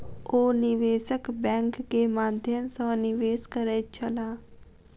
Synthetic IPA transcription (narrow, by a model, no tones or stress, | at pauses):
oːnɪʋeːsəkbɛ̃ːŋkːeːmaːd̪ʱjəmsɔ̃ːnɪʋeːskəɾeːt͡ʃʰəlaː